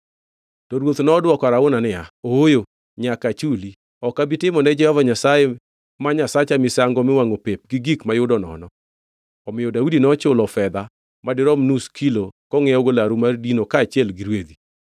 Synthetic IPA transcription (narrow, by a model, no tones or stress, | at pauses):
tɔɾwot̪nɔdwɔkaɾaʊnanɪaojo | ɲakat͡ʃuli | ɔkabitɪmɔnɛd͡ʒɛhɔvaɲasaje | maɲasat͡ʃamɪsaŋɡɔmɪwaŋopep̚ɡiɡikmajʊdɔnɔ̰nɔ | ɔmɪjɔdaudinɔt͡ʃʊlɔfɛd̪a | madɪɾɔmnuskʰilokɔŋɛɔɡolaɾumardinokaːt͡ʃjɛlɡɪɾwed̪i